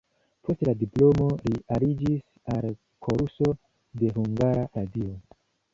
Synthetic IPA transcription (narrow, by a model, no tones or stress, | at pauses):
pʰo̞steladiplo̞mo̞lialid͡ʒis | al | kʰo̞ɾuso̞ | de̞ɦuŋɡaɾaɾadio̞